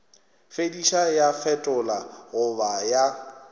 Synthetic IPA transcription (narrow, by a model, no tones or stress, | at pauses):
fediʃajafɛtʼʊlaɣʊbaja